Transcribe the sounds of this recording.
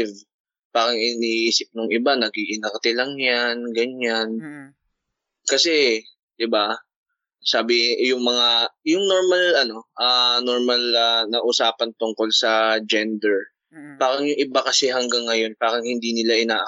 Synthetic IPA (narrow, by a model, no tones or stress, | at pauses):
v | paːɾɐŋʔɪniːʔiːsɪp̚nʊŋʔɪbanɐɡiʔɪnɐk̚t̪ɪlɐŋjanɡɐɲan | kɐsɛ | d̪̥ɪba | saːbɪjʊŋmɐŋajʊŋno̞ɹmɐlʔɐno̞ʔano̞ɹmɐlɐnɐʔʊsaːpɐnt̪ʊŋko̞lsɐd͡ʒɛnd̪ɛɹ | paːɾɐŋjʊŋʔɪbakɐsɛɦɐŋɡaŋːɐjo̞npaːɾɐŋhɪnd̪iːnɪlaʔɪnaːʔɐ